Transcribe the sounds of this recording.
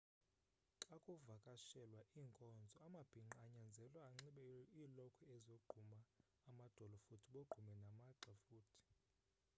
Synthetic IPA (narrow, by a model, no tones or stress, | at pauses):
ǁakʼuvakʼaʃɛlwaʔiːŋkʼɔnd͡zʱɔamab̥ʱiŋ͡ǁaɲand͡zʱɛlwaːŋ͡ǁiɓɛiːlɔkʰɔɛzoɡ͡ǃ̥ʱumaː | mad̥ʱɔlɔfutʰiɓoɡ͡ǃʱumɛnamaǁafuːtʰi̥